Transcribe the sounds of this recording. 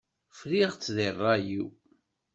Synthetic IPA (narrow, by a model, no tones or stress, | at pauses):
fliʁt͡sːðirˤːɑji